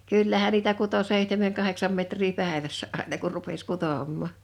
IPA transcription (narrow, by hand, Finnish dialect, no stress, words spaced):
kyˑlːæhæn niːtæ kuto seˑihtemeŋ kɑheksɑm metriː pæˑeʋæsːæ ʔɑˑenɑ kur rupes kutoˑmːɑˑ